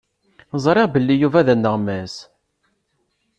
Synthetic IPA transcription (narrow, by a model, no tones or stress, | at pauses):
zˤɾˤɪʁbəlːijuvæðænːəʁmæs